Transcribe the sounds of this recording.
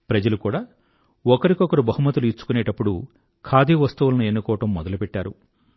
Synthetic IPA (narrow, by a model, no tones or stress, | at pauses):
pɾɐd͡ʒɐlukuːɽaː | ɔkɐɾikɔkɐɾubɐɦumːɐt̪ːuluit͡ʃːu̥kunɛːʈɐpːuɽu | kʰaːd̪iːʋɐst̪ɐʋulɐnue̞nːukɔːʋɐʈɐmːɔd̪ɐlupɛʈːaːɾṵ